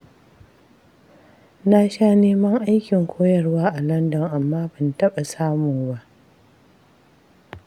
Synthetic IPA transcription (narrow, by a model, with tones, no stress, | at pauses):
na˦ʃaː˦neː˦mɐ˦ŋʔa˦jkʲɪ˨ŋkʷʰoː˦jɐ˨rwaː˦ʔa˨lɐ˦ndɐ˨ŋʔa˨mːaː˦bɪ˨ntɐ˦ɓa˨saː˦mʊ˨ŋba˦ʔ